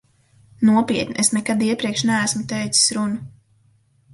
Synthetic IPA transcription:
nuɔpiɛt̪nʲiʔesnɛkad̪iɛpɾiɛkʃnæːsmut̪ɛjt̪si̥sɾunu

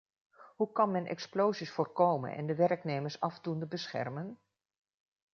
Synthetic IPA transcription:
ɦukɑnmɛnʔɛ̰ksplowzisfʊːrkowmə̰nɛ̰ndəʋɛrknejməɹsɑvdundəbəsχɛ̰rmən

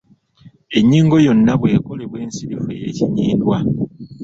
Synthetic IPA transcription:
e̞ɲːiːŋɡo̞jo̞nːaβwe̞ːko̞le̞βwe̞ːnsiɾifejeciɲiːndwa

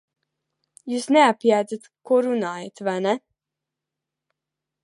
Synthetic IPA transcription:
juːsnɛapjaːd̪zat̪kuɔɾunaːjat̪vajnɛ

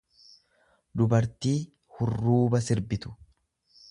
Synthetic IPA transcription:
d̪ʊbɐɾt̪iː | hʊrːuːbɐsɪɾbɪt̪ʊ̥

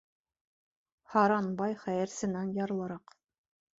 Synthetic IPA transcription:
hɑɾɑnbɑjχæjɘ̆ɾsɘ̆nænjɑɾɤ̆lˠɤ̆ɾɑq

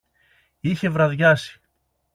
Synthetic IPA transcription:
içe̞vɾɐðʝɐsi̥

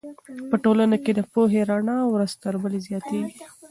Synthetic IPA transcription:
pəʈolanaked̪əpoɦeɾaɳɑwɾazt̪əɾbəlezjɑt̪eɡi

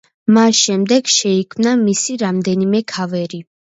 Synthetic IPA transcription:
masʃɛmd̪ɛɡ̥ʃɛikʰmnamisiɾamd̪ɛnimɛkʰavɛɾi

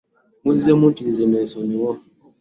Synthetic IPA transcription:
muzɛmutizɛnɛsɔniwɔ

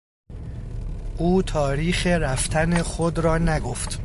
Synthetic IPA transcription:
ʔuːt̪ʰɒːɾiːxe̞ɾæft̪ʰænexod̪ɾɒːnæɡoft̪

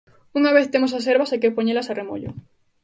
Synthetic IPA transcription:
uŋaβ̞eθt̪emos̬aseɾβasakeopoɲelasaremo̰ʎo̰

